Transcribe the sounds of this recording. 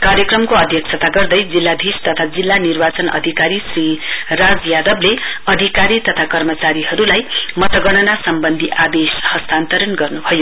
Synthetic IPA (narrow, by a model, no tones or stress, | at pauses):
kaɾjʌkrʌmkoʌd̪ʱjʌk̚sʰʌt̪aɡʌrd̪ʌjd͡zilːad̪ʱist̪ʌt̪ʰad͡zilːanirbat͡sʌnʌ̰d̪ʱikaɾisrirad͡zjad̪ʌbleʌd̪ʱikaɾit̪ʌt̪ʰakʌrmʌt͡saɾiɦʌɾulajmʌt̪ʌɡʌɽ̃ʌnasʌmbʌnd̪ʱiʔad̪eshʌst̪ant̪ʌɾʌnɡʌrnubʱʌjo